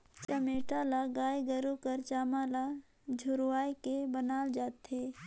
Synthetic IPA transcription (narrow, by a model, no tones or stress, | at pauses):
t͡ʃəmeːʈalaɡaːjɡəɾukəɾt͡ʃaːmala | d͡ʒʱʊɾwaːjkebənaːld͡ʒaːt̪ɦeː